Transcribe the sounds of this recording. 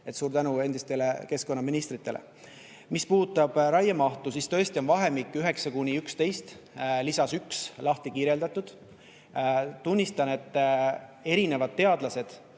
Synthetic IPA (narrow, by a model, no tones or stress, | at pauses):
e̞t̪suːɾt̪ænue̞nd̪ist̪e̞le̞ke̞sko̞nːɑminist̪ɾit̪ːˑe̞lʔḛ | mispuːt̪ːˑɑb̥ɾɑjemɑht̪usist̪ø̞est̪io̞nvɑɦe̞mikːˑyɦe̞ksɑkunʲiykst̪e̞jst̪ | lisɑsykslɑht̪ikiːɾe̞ld̪̥ɑt̪ːˑud̪̥ | t̪unʲːist̪ɑne̞t̪ː | e̞ɾine̞vɑd̪̚t̪ːe̞ɑd̪̥lɑse̞d̪̥